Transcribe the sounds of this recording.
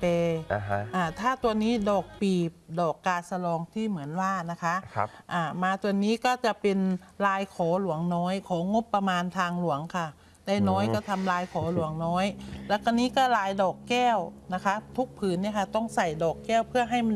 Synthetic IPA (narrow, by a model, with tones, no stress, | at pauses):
peː˧ʔaː˧˩t̪ʰaː˥˩t̪u˧ɐniː˦˥˩dɔː˨˩k̚piː˨˩p̚dɔː˨˩kːaː˧sa˧lɔː˧ŋt̪ʰiː˥˩mɯ˩˦ənwaː˧˩na˦˥kʰa˦˥ʔʰʔaː˨˩maː˧t̪u˧ənːiː˦˥kɔː˥˩t͡ɕa˨˩pe˧n | laː˧jkʰɔː˩˦lu˩˦əŋnɔː˦˥jkʰɔː˩˦ŋo˦˥pːa˧maː˧nt̪ʰaː˧ŋlu˨˩˦əŋkʰa˧˩ | da˥˩jnɔː˦˥˨jkɔː˥˩t̪ʰa˧mlaː˧jkʰɔː˩˦lu˨˩˦əŋnɔː˦˥jlɛ˦˥˩kʰaː˧˩niː˦˥˨kɔː˥˩laː˧jdɔː˨˩kːɛː˥˩wna˦˥kʰa˦˥t̪ʰu˦˥k̚pʰɯː˨˦nːiː˥˩əkʰa˧˩t̪ɔ˧˥˩ŋsa˨˩jdɔː˨˩kːɛː˥˩wpʰɯ˥˩ɐɦa˥˩jm˧